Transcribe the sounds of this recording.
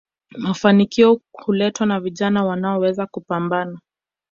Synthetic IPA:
mafanikiɔhulɛtwanaviʄanawanaɔwɛzakupambana

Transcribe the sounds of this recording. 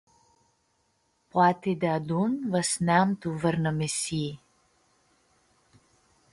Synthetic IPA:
pwat̪id̪ɛad̪unvəsnamt̪uvəɾnəmesi

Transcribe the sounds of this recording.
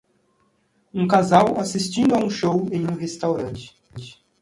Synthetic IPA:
ũkazawasist͡ʃĩnd̪ʊaũʃowẽj̃ũɦest̪awɾɐ̃t͡ʃɪ̥

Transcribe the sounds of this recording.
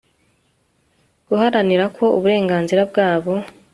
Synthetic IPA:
ɡ̥uhaɾaniɾakʰo̞ṵβuɾe̞ːŋɡaːnziɾab̚ɡaːβo̞

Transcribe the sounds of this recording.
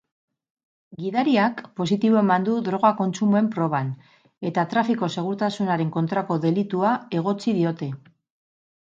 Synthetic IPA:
ɡiðaɾiakpo̞sit̪iβo̞e̞mand̪uðɾo̞ɣ̞ako̞nt͡sumue̞mpɾo̞β̞an | e̞t̪at̪ɾafiko̞se̞ɣ̞uɾt̪asunaɾe̞ŋko̞nt̪ɾako̞ðe̞lit̪uae̞ɣ̞o̞t͡sið̞io̞t̪e̞

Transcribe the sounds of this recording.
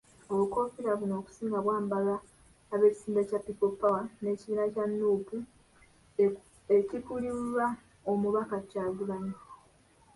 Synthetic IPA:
oβuko̞fiɾaβuno̞ːku̥siːŋɡaβwaːmbalaː | βe̞ːci̥siːndacapːipopːawane̞ciβiːnacanːuːpu | ecikulia | omuβakacaːɡulaɲo

